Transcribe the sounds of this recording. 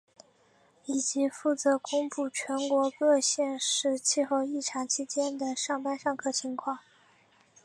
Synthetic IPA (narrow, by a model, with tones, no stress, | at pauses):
i˨˩t͡ɕi˧˥fu˥˩t͡sɤ˧˥kʊ˥ŋpu˥˩t͡ɕʰɥɛ˧˥nkwɔ˧˥kɤ˥˧ɕjɛ˥˧nʂɻ̩˥˧t͡ɕʰi˥˧xo˥˧ʊi˥˩ʈ͡ʂʰɑ˧˥ŋt͡ɕʰi˥t͡ɕjɛ˥nd̪ə˨ʂɑ˥˩ŋpa˥nʂɑ˥˧ŋkʰɤ˥˩t͡ɕʰi˧˥ŋkʰwɑ˥˩ŋ